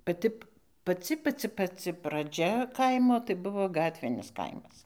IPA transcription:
pɐˈtʲɪ pɐˈt͡sʲɪ pɐˈt͡sʲɪ pɐˈt͡sʲɪ prɐˈd͡ʒʲɛ ˈkɐɪmoː tɐɪ ˈbʊʋoː ˈɡɑːtʲʋʲɪnʲɪs ˈkɐɪmɐs

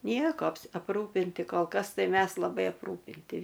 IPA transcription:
ˈnʲiɛkoː ɐpˈruːpʲɪnʲtʲɪ koːlˠ ˈkɐs ˈtɐɪ ˈmʲɛs lˠɐˈbɐɪ ɐpˈruːpʲɪnʲtʲɪ

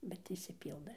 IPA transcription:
bʲɛt ɪʃʲsʲɪˈpʲiːlˠdɘ

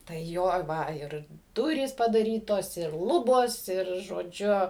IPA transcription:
tɐɪ ˈjoː ˈʋɐ ˈɪr ˈdʊrʲiːs pɐdɐˈrʲiːtoːs ɪr ˈlˠʊboːs ɪr ʒoːˈd͡ʒʲʊ

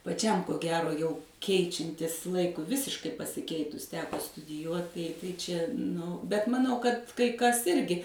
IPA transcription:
pɐˈt͡ʃʲɛm koː ˈɡʲæːroː jɛʊ ˈkʲɛɪt͡ʃʲɛnʲtʲɪs ˈlˠɐɪkʊɪ ˈʋʲɪsʲɪʃkɐɪ pɐsʲɪˈkʲɛɪtʊs ˈtʲæːkoː stʊdʲɪˈjuɔt tɐɪ tɐɪ ˈt͡ʃʲɛ nʊ bʲɛt mɐˈnɐʊ kɐt kɐɪ ˈkɐs ˈɪrʲɡʲɪ

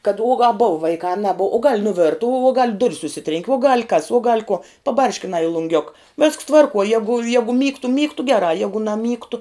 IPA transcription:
kɐt uɔ ɡɐ boːʋɐ ˈʋɐɪkɑː ɐ nɐˈboːw oː ɡɐlʲ nʊˈʋʲɪrtɐ uɔ uɔ ɡɐlʲ ˈdʊrʲs ʊʃʲˈsʲɪtʲrʲɛŋʲkʲɪ uɔ ɡɐlʲ kɐs uɔ ɡɐlʲ kuɔ pɐˈbɐrʲʃʲkʲɪnɑː ɪ lˠʊŋʲˈɡʲʊk ʋʲɛsks ˈtʋɐrkuɔ ˈjæːɡʊ ˈjæːɡʊ ˈmʲiːktʊ ˈmʲiːktʊ ˈɡʲæːrɑː ˈjæːɡʊ nɐˈmʲiːktʊ

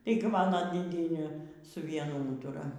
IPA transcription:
ˈtɐɪɡʲɪ ˈmɑːnoː dʲeːˈdʲiɛnʲeː sʊ ˈʋʲiɛnʊ ˈuːtʊrɐ

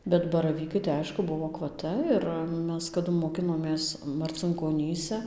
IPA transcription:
bʲɛt bɐrɐˈʋʲiːkɐɪ tɐɪ ˈɐɪʃkʊ ˈbʊʋoː ɐkʋɐˈtɐ ɪr ˈmʲɛs kɐˈdʊ moːˈkʲɪnoːmʲeːs mɐrʲt͡sʲɪŋkoːˈnʲiːsʲɛ

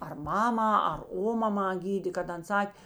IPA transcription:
ɐr ˈmɑːmɑː ɐr ˈoːmɐmɑː ˈɡʲiːdʲeː kɐt ˈɐn ˈsɐkʲ

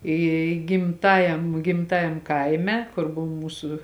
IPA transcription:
ˈiː ɡʲɪmˈtɑːjɛm ɡʲɪmˈtɑːjɛm ˈkɐɪmʲɛ ˈkʊr ˈboːʋɐ ˈmuːsʊ

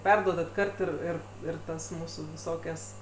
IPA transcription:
ˈpʲɛrduɔdɐt ˈkɐrt ɪr ˈɪr ˈɪr ˈtɐs ˈmuːsuː ʋʲɪˈsoːkʲɛs

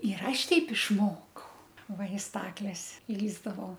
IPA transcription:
ɪr ˈɐʃ ˈtʲɛɪp ɪʃˈmoːkɐʊ ˈʋɐ ɪ ˈstɑːklʲɛs ˈlʲiːzdɐʋɐʊ

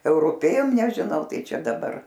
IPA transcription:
ɛʊrʊˈpʲeːjoːm nʲɛʒʲɪˈnɐʊ ˈtɐɪ ˈt͡ʃʲɛ dɐˈbɐr

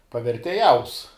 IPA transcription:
pɐʋʲɛrʲtʲeːˈjɛʊs

